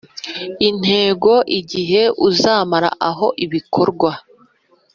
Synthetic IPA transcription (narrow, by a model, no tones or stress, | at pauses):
in̥he̞ːɡo̞ʔiɟiɦe̞uzaːmaɾa̰ʔaɦo̞ʔiβikʰo̞ɾɡwa